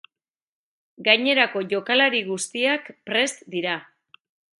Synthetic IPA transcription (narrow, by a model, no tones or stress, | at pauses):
ɡajɲe̞ɾako̞ʝo̞kalaɾiɣust̪iakpɾe̞st̪d̪iɾa